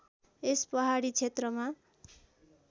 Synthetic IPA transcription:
espʌɦaɽit͡sʰet̪rʌma

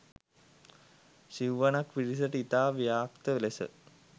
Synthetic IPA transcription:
siʋʋanakʋiɖis̬əʈəit̪aːʋijaːkt̪əʋelesə̰

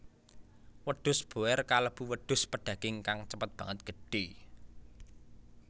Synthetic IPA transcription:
wəɖ̪̥ʊ̤sb̥o̤ɛrkaləb̥uwəɖ̪̥ʊ̤spəɖ̥ä̤ɡ̥ɪŋkaŋt͡ʃəpət̪̚b̥ä̤ŋət̪̚ɡ̥ə̤ɖ̥e

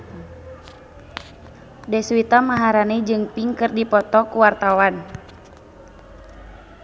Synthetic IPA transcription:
dɛswit̪amaɦaɾanɛd͡ʒɨŋpiŋkɨrdipɔt̪ɔkuwart̪awan

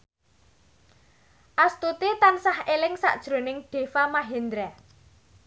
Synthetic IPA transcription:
ʔast̪ut̪it̪ansahelɪŋsa̰ʔd̥ʒ̥ɾo̤nɪŋɖ̥e̤famaɦend̪ɾɛ

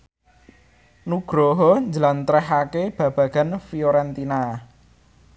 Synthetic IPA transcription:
nuɡ̥ɾɔɦɔɲd͡ʒəlant̪ɾɛɦakeb̥ä̤b̥ä̤ɡ̥a̤nfioɾɛnt̪ina

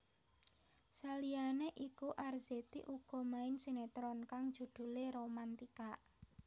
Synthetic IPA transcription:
salianeʔikuʔarz̥et̪ḭʔuɡ̥ɔ̤maɪnsenet̪ɾɔnkaŋd̥ʒ̥ṳd̪̥ṳleɾomant̪ika

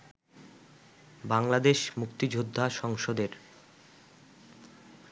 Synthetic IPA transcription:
baŋlad̪eʃmukt̪id͡ʑʱod̪ʱːaʃɔŋʃod̪eɾ

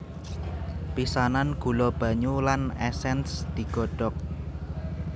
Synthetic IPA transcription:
pisananɡ̥ṳlɔb̥ä̤ɲulanɛsɛnsd̪̥i̤ɡ̥ɔ̤ɖ̥ɔ̤k̚

